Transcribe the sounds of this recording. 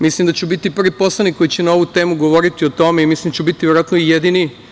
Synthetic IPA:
mislimd̪at͡ɕubit̪ipr̩ʋipo̞slˠanikːo̞jit͡ɕenao̞ʋut̪e̞ːmuɡo̞ʋo̞ɾit̪iot̪o̞meimislimnd̪at͡ɕubit̪iʋʲeɾoat̪noijed̪ini

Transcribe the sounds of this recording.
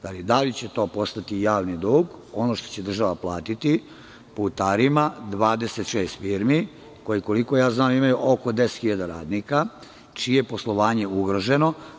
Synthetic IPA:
d̪alid̪alit͡ɕet̪o̞ːpo̞st̪at̪ijaːʋnid̪uːɡo̞noːʃt̪o̞̥t͡ɕe̞d̪r̩ʒaʋaplˠaːt̪it̪i | pout̪aːɾimad̪ʋaːd̪e̞se̞t̪ʃeːst̪fiɾmi | ko̞jiko̞liko̞jaːznaːmimajuʔoko̞d̪ese̥t̪xiʎad̪aɾaːd̪nika | t͡ʃiepo̞slˠo̞ʋaːɲe̞uɡɾoʒe̞no̞

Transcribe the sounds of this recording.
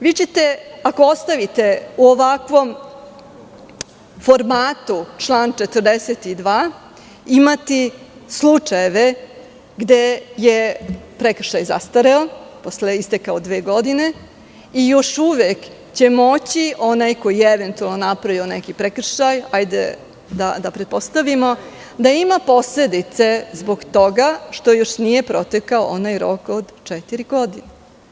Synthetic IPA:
ʋiːt͡ɕet̪e̞akoost̪aʋit̪e̞uoʋakʋo̞m | fo̞ɾmaːt̪ut͡ʂlˠaːnt͡ʃet̪ər̩d̪eset̪id̪ʋaː | imat̪islˠut͡ʂajeʋe̞ | ɡd̪e̞jepɾek̩ʃajza̰st̪aɾeopo̞sleist̪ekaod̪ʋeːɡo̞d̪ine | ijo̞ʃuʋek | t͡ɕemo̞t͡ɕiʔo̞najko̞jijeeʋe̞nt̪ualˠnonapɾaʋionekipɾekr̩ʃajajd̪ḛ | d̪ad̪apɾet̪̚po̞st̪aʋimo̞ | d̪aimapo̞sle̞d̪it̪se̞zboɡt̪o̞ɡaʃt̪o̞joʃnije̞pɾo̞t̪ekaoʔonajɾokod̪t͡ʃɛt̪iɾiɡo̞d̪ine

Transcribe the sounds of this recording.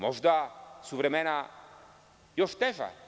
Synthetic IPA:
mɔʒd̪asuvɾɛmɛna | jɔʃt̪ɛʒa̰

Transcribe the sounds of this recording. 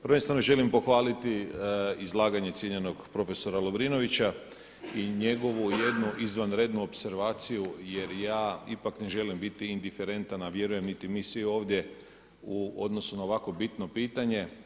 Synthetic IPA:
pəɾ̩ʋenst̪ʋanoʒe̞limpo̞xʋaːlit̪iizlˠaːɡaɲe̞t̪sjeɲe̞no̞ɡpɾo̞fe̞so̞ɾaloʋɾino̞ʋit͡ɕa | iɲe̞ɡo̞ʋuje̞d̪nuʔizʋanɾed̪nuopse̞ɾʋaːt̪sijuje̞ɾjaːipakne̞ʒe̞limbit̪iind̪ife̞ɾe̞nt̪anaʋje̞ɾuje̞mnit̪imiːsʋio̞ːʋd̪je̞ | uod̪no̞sunao̞ʋakʋo̞bit̪no̞piːt̪aɲe̞

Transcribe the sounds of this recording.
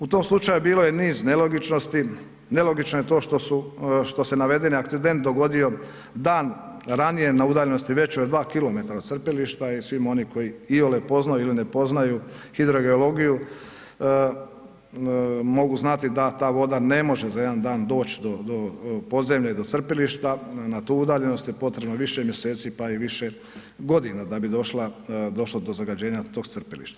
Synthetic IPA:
ut̪o̞ːmslut͡ʃajubiːlojeniːznelo̞ɡit͡ʃno̞st̪i | ne̞lo̞ɡit͡ʃnojet̪o̞ːʃt̪osuʃt̪o̞se̞naʋe̞d̪e̞niak̚t̪sid̪e̞nt̪̚d̪o̞ɡo̞d̪io̞ | d̪aːnɾanije̞naud̪aːʎe̞nost̪iʋe̞t͡ɕod̪ʋaːkilo̞me̞t̪aɾaod̪tsr̩peliʃt̪aisʋimo̞niko̞jiiolepo̞znajuiline̞po̞znaju | hid̪ɾo̞ɡeolo̞ɡiju | mo̞ɡuznat̪id̪at̪aːʋo̞d̪ane̞mo̞ʒe̞zaje̞d̪and̪aːnd̪o̞ːt͡ɕd̪od̪opo̞d̪ze̞mʎeid̪o̞t̪sr̩peliʃt̪anat̪uːud̪aːʎe̞no̞st̪jepo̞t̪ɾe̞bnaʋiʃemje̞se̞ːt̪sipaiʋiʃe̞ | ɡo̞d̪inad̪abid̪o̞ʃlad̪o̞ʃlod̪o̞zaɡad͡ʑe̞ːɲat̪oːɡ̪srpelḭʃt̪a

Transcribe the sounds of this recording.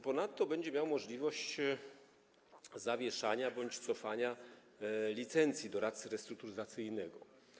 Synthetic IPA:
pɔnat̪ːɔbɛɲd͡ʑɛmʲjawmɔʐlʲivɔɕt͡ɕ | zavʲjɛʂaɲabɔɲt͡ɕt̪sɔfaɲa | lʲit̪sɛnt̪sʲjid̪ɔɾat̪sɘɾɛst̪ɾuk̚t̪uɾɘzat̪sɘjnɛɡɔ

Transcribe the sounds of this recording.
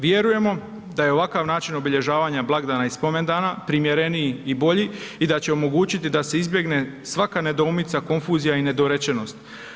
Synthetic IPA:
ʋje̞ɾuje̞mo̞ | d̪ajeo̞ʋakaʋnaːt͡ʃino̞biʎe̞ʒaːʋaːɲablˠaɡd̪aːnaispo̞me̞nd̪aːnapɾimjeɾe̞niiibo̞ʎiid̪at͡ɕe̞o̞mo̞ɡuːt͡ɕit̪id̪ase̞izbje̞ɡne̞sʋakane̞d̪o̞ːmit̪sako̞nfuːzijaine̞d̪o̞ɾet͡ɕe̞no̞st̪

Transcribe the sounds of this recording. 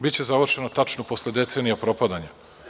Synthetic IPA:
bit̪t͡ɕe̞zaʋr̩ʃe̞not̪at͡ʃnopo̞sled̪e̞t̪se̞ːnijapɾo̞pad̪aɲa

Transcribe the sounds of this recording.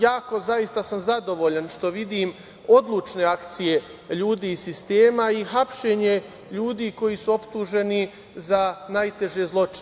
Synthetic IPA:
jaːko̞zaist̪asamzad̪o̞ʋo̞ːʎanʃt̪o̞ʋid̪iːm | o̞d̪lˠuːt͡ʃne̞akt̪sije̞ | ʎuːd̪iːsist̪e̞ːmaixapʃe̞ːɲe̞ | ʎuːd̪iːko̞jisuo̞pt̪uːʒe̞ni | zanajt̪e̞ʒezlˠo̞t͡ʃi

